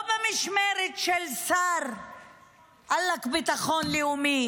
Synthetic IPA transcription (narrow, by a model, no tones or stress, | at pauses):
bamiʃmeɾet̪ʃelsaɾ | ʔalːakbit̪aχonleumi